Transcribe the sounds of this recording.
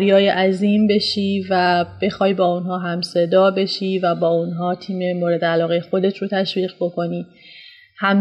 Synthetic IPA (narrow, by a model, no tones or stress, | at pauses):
ɾjɒːjeʔæziːmbe̞ʃiːvæb̥e̞xɒːjbɒːunɦɒːɦæmse̞d̪ɒːbe̞ʃiːvæbɒːunɦɒːt̪ʰiːmemoɾe̞d̪eælɒːɣejexo̞d̪e̞t̪ʰɾot̪ʰæʃviːɣbo̞kʰo̞niː | hæm